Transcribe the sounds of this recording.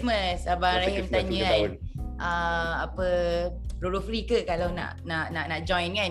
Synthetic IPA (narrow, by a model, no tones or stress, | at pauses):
məsabaɾaɦəmtt̪aɲə̃anʔəapə | ɾuɾufɾikəkalawna̰ʔnaʔnaʔnaʔd͡ʒɔ̃jnka